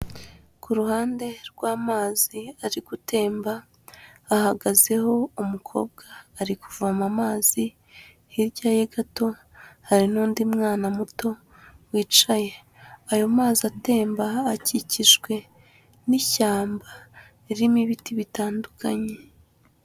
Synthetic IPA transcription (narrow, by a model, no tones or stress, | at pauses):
kuɾuhaːnde̞ɾɡwaːmaːziaɾiɡute̞ːmbaː | haɡaze̞ho̞umukʰo̞̰ːbɡaːɾikuvamamaːz̥i | hiɾɟaːjeɡato̞ | haɾinuːndimŋaːnamuto̞ | wiːt͡ʃaje̞ | ajo̞maːziate̞ːmbaːciciʒɡwe̞ | niʃaːmba | iɾimiβitiβitaːndukʰaɲe̞